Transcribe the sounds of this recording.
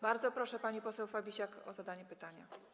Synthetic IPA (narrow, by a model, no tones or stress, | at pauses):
baɾd̪zɔpɾɔʂɛpaɲipɔsɛwfabʲiɕakɔ̰zad̪aɲɛpɘt̪aɲa̰